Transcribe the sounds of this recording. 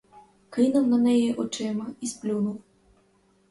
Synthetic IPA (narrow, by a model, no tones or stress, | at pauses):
kɪnʊwnɐnɛjiʔɔt͡ʃɪmɐisplʲunʊw